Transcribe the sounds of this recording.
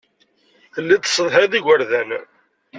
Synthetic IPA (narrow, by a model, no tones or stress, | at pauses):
θəlːit̪ːə̥sˤːəðˤɦaðiɡəɾðæn